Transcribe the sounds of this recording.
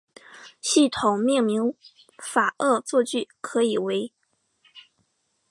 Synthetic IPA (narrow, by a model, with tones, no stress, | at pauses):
ɕi˥˩t̪ʰʊ˨˩ŋmi˥˩ŋmi˧˥ŋ | fa˨˩ʔɤ˥˧t͡swɔ˥˧t͡ɕy˥˩kʰɤ˧˥i˨˩we˧˥ɪ